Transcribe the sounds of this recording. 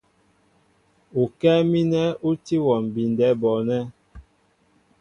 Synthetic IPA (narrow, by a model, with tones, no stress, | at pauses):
u˨kɛ˦mi˦nɛ˦u˦ti˦wɔ˨m˨bi˨ndɛ˦bɔ˨nɛ˦